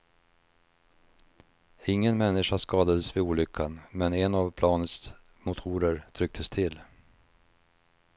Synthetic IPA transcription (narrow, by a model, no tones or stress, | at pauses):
ɪŋːənmɛnːɪʂaʂkɑːd̪ad̪əsvɪuːlʏkʰːanmɛnɛnavpʰlɑːnət̪s | mʊt̪ʰuːɾəɾt̪ʰɾʏk̚t̪ʰəst̪ʰɪlː